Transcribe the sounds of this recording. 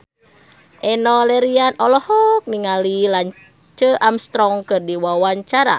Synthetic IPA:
ʔɛnɔlɛɾianʔɔlɔhɔk̚niŋalilaɲ | t͡ʃəʔamst̪ɾɔŋkɨrdiwawaɲt͡ʃaɾa̰

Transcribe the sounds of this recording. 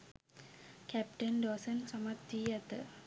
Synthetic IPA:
kæp̚ʈɐnɖoːsɐnsɐmɐt̪ːijɐt̪ɨ

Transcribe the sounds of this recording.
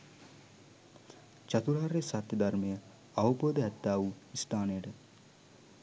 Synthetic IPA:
t͡ʃat̪uɾaːɾesat̪jəd̪armejə | awupoːd̪əɦɛt̪ːaːʋuist̪aːnəjəʈə

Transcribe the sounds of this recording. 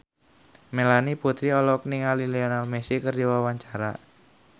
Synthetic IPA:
melaniput̪ɾiɔlɔk̚niŋalileonalmesikərdiwawaɲt͡ʃaɾa̰

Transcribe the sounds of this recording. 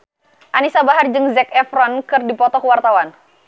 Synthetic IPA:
ʔanisabaɦard͡ʒɨŋzɛkɛfɾɔnkɨrdipɔt̪ɔkwart̪awan

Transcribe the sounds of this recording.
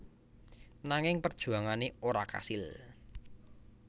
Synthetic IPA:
naŋɪŋpərd̥ʒ̥ṳaŋaneoɾaka̰sɪl

